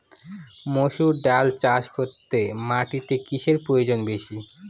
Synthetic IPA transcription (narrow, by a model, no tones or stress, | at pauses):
moʃuɖalt͡ɕaʃkot̪ːemaʈit̪ekiʃeɾpɾojod͡ʑonbeʃi